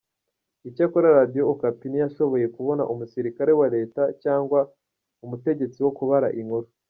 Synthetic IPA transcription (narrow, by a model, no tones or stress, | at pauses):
icakoɾaɾadijoːkapinijaʃo̞βo̞je̞kuβo̞na̰ʔumusiɾikaɾe̞waɾe̞ːtacaːŋɡwa | umute̞ɟe̞t͡siwo̞kuβaɾa̰ʔiŋhoɾo